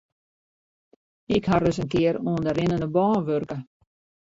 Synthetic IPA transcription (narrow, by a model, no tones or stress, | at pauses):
ɪkharəsənkɪəɾuəndəɾɪnənəbɔːnʋørkə